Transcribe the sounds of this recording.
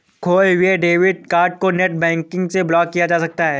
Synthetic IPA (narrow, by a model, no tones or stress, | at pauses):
kʰoːʋeɖeːʋɪɖ̚kaːɾʈ̚koneʈ̚bɛ̃ːŋkɪ̃ŋɡseblɔːkːijad͡ʒaːsɐk̚t̪aɦɛː